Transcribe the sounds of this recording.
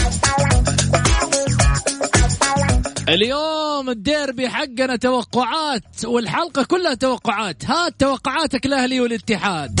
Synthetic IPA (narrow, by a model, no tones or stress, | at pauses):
ʔɪljoːmɪd̪ːeːɾbɪjħaɡːanat̪awɑqːʊʕaːt̪wɪlħalqɑkʊlːhat̪awɑqːʊʕaːt̪hat̪ːawɑqːʊʕaːt̪akɪlʔahliwɪlɪt̪ːɪħaːd̪̚